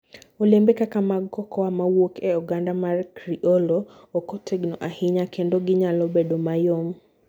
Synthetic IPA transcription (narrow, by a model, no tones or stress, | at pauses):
olembekakamaɡɔkɔamawokɛɔɡandamarkɾiʔɔlo | okotʰeɡnɔʔahɪɲakʰendoɡɪɲalɔbedomajom